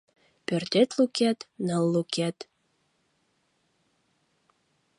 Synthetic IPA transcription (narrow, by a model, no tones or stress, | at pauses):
pørt̪et̪lukæt̪nəlːukæt̪